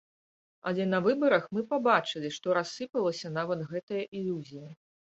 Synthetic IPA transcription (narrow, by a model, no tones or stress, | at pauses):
ɐlʲɛnɐvɨbɐɾɐxmɨpabat͡ʂɨlʲiʂt̪ɔɾasːɨpɐlˠɐsʲɐnavɐt̪ɣɛt̪ɐjɐʔilʲuzʲijɐ